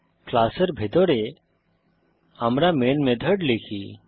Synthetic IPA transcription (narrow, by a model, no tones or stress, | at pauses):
klasəɾbʱet̪ɔɽɛ | amɾamenmɛd̪ʱəɖlekʰi